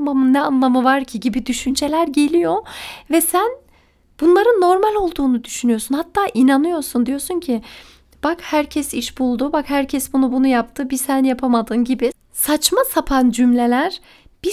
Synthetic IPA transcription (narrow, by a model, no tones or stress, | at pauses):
mamɯnːɛanlˠamɯvaɾcʰiɟibid̪yʃynt͡ʃʰe̞lʲæɾɟe̞lʲijo̞vɛsæn | b̥unlˠaɾɯnːo̞ɾmalʲo̞lˠd̪uːnud̪yʃynyjosunhat̪ʰːaːʔinanɯjo̞ɾsund̪ijo̞ɾsuncʰɪ | b̥akhæɾcʰɛsiʃbulˠd̪ubakhæɾcʰɛsbunubunujapt̪ʰɯbisænjapʰamad̪ɯnɟibi | sat͡ʃmasapʰand͡ʒymlʲe̞lʲæɾ | b̥i